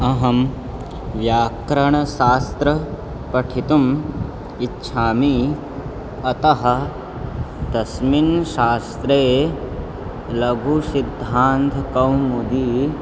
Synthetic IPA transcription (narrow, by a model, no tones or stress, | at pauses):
ɐɦɐm | ʋjaːkɾɐɳɐʃaːst̪ɾɐ | pɐʈʰit̪um | itːʃʰaːmi | ɐt̪ɐɦɐ̆ | d̪̥ɐsminʃaːst̪ɾeː | lɐɡʱusid̪ʱːaːnt̪ʰkɐwmud̪iː